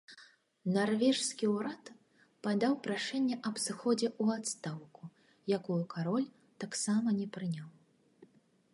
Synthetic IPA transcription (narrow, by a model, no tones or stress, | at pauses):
narvʲɛʂskʲiwɾat̪ | pad̪awpɾaʂɛnʲːɛʔɐbsɨxɔd͡zʲɛuat̪st̪awku | jakujukʰaɾɔlʲ | t̪aksamɐnʲɛpɾɨnʲaw